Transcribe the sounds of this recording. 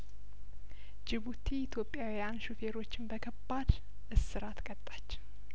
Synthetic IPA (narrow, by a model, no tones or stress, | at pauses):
d͡ʒɪβut̪ʰiːt̪ʰjo̞pʼːjawijanʃufe̞ɾo̞t͡ʃːɪnbəkʰəbːad̪ | ʔɨsːɨɾat̪ʰkʼət̪ʼːḁt͡ʃː